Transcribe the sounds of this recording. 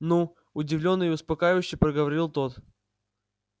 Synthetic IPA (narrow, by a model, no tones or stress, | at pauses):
nu | ʊdʲɪvlʲo̞nːɨjʊspɐkajɪvʊɕːɪpɾəɡəvɐɾʲilˠt̪ot̪